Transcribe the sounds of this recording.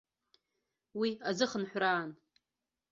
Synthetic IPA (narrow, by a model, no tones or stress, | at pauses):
wiazɨχənħʷraːn